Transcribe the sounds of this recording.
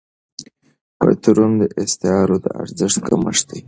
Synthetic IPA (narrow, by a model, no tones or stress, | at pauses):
pə̰t̪uɾund̪əʔɪst̪ɪɑɾod̪əa̰ɾzəʂt̪̚kamə̰ʂd̪i